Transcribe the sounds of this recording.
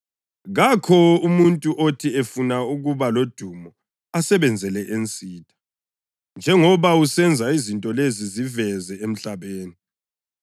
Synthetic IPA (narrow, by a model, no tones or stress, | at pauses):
ɣakʰɔumuntʼuʔotʰiefunauɣuβalod̥ʱumɔ | asɛβɛnd͡zʱɛlɛʔent͡sʼiːtʰʼḁ | nd͡ʒʱɛŋɔβausɛnd͡zʱaizintʼɔlezizivɛzɛem̩ɬaβeːni